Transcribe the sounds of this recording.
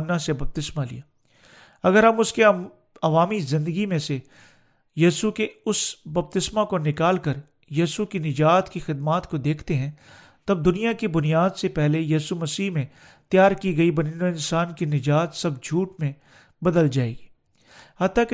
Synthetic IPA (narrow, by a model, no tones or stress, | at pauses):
nːãsebɐb̚t̪ɪsmalḭjaː | ɐɡəɾɦɐmʊske | ɐʋaːmizɪ̃nd̪əɡimẽse | jiːsukeʊsbɐb̚t̪ɪsmakonɪkaːlkɐɾ | jiːsukinɪd͡ʒaːt̪kixɪd̪maːt̪kod̪eːkʰt̪eɦɛ̃ | t̪ɐb̚d̪ʊnijakibʊnijaːd̪sepɛɦlejiːsumɐsiːɦmẽ | t̪jaːɾkiɡɐibɐninoɪ̃nsaːnkinɪd͡ʒaːt̪sɐbd͡ʒʱuːʈmẽ | bɐd̪əld͡ʒaːḛːɡiː | hɐt̪ːake